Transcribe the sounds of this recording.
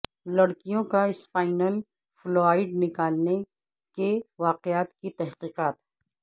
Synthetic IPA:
lɐɽkijõkaɪsfaːɪnəl | floːaːɪɖnɪkaːlne | keʋaːqɪaːt̪kit̪ɛɦqiːqaːt̪

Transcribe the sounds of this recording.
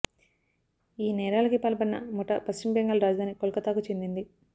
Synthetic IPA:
iːnɛːɾaːlɐkipɐlɐpɐnːɐmɔʈɐpɐst͡ʃimbeŋɡaːlɾaːd͡ʒɐd̪ʱaːnikolkɐt̪aːkut͡ʃend̪ind̪i

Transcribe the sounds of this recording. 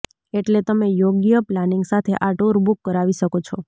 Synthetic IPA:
eʈlet̪əmejoɡjəplaniŋɡsat̪ʰḛʔaʈuɾbukːəɾaʋiʃəkot͡ʃʰɔ

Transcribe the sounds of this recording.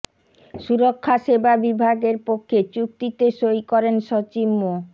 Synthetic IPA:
ʃuɾokʰːaʃebabibʱaɡeɾpokʰːet͡ɕuk̚t̪it̪eʃojkɔɾenʃot͡ɕimːo

